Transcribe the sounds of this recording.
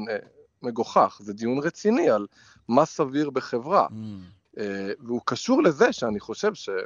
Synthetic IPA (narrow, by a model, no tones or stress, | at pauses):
meɡoχaχzed̪ijunʁet͡sinial | masaviʁbeχevʁa̰ | eveukaʃuʁlezeʃeaniχo̞ʃe̞vʃe